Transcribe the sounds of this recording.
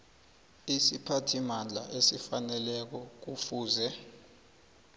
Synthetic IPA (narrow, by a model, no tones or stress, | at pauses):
isipʰatʰimand͡ɮʱa̰ʔesifanɛlɛk̬ɔk̬ufuːzɛ